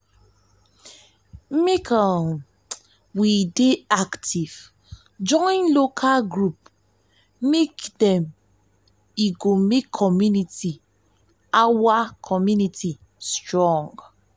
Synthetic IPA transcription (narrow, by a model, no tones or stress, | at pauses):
mekʰan | wideaktʰiv̥ | d͡ʒɔ̃nlokʰalɡɹup̚ | mekdɛ̃m | iɡomekʰːɔmjuniti | awakʰɔmjunitʰi | stɹɔ̃ŋɡ